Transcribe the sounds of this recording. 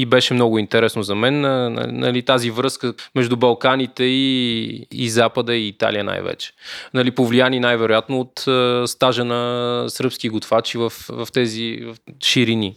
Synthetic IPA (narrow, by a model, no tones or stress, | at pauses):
ibɛʃɛmnɔɡʊint̪ɛɾɛsnozɐmɛn̰nɐ̰lit̪azivɾɤskəmɛʒd̪ʊbɐlˠkanit̪ɛḭː | zapəd̪əiːt̪a̰lijəna̰jvɛ̰t͡ʃɛ̥nɐlipovlijaninajvɛɾojat̪noːt̪əst̪aʒənɐsɾpskiɡʊt̪fat͡ʃivəfvɐft̪ɛzivʃiɾini